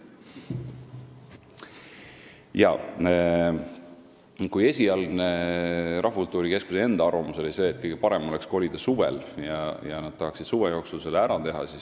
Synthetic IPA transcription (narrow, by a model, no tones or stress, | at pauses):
jɑ̰ | kuje̞sʲiɑlɡneɾʔɑɦvɑkult̪ːˑuːɾike̞skusee̞nd̪̥ɑɑrvɑmuseloise̞ːt̪̚ːkɯjɡe̞pɑɾe̞moleksko̞lid̪̥ɑsuvḛljɑjɑnɑd̪̥̚t̪ɑɦɑksid̪̥suvejo̞ːksulselːeæɾɑt̪e̞ɦɑ̰sis